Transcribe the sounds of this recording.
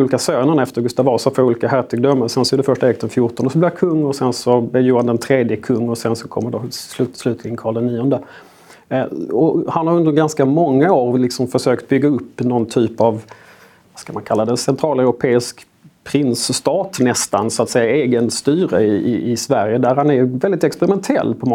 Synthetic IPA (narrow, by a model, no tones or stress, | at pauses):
uːlɪkasøːnəɳɛft̪əɾɡɵst̪avɑːsafoːɾuːlɪkaɦæɾʈ̪ʰɪɡ̚d̪ɔmːəsɛnsɔæɖɛfœʂʈaɛk̚td̪ɛnfjʊʈɔnəsɔblɪkʰɵŋːɔsɛnsɔbɛjuːɾand̪ɛnt̪ʰɾeːd̪jəkʰɵŋːɔsɛnsɔkʰɔ̰mːəɖoslʉ̟ːt̪slʉ̟ːt̪lɪɡənkʰɑːd̪ɛnːiːɔnd̪ə | ɔhanhaɾɵnd̪əɾɡanskamɔŋːaoːɾlɪksɔmfœʂøːkt̪̚bʏɡːaɵpːnɔnt̪ʰyːpɑv | vaskamankʰalːad̪ɛnsɛnt̪ʰɾɑːlɛʊɾʊpʰeːɪsk | pʰɾɪnsːt̪ɑːt̪nɛst̪ansʊat̪sɛjːaeːɡənst̪yːɾəɪɪɪsvæɾjəd̪æɾhanæɾvɛld̪ɪt̪ɛkspɛɾɪmɛnt̪ʰɛ̰lːpʰɔm